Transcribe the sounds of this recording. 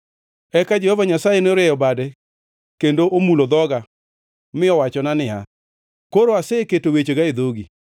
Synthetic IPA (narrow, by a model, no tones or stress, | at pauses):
ɛkad͡ʒɛhɔvaɲasajenɾɛjɔbadɛ | kendoʔomulod̪ɔɡa | mɪɔwat͡ʃɔnanɪɦa | koɾoaseketowet͡ʃeɡaed̪oɡi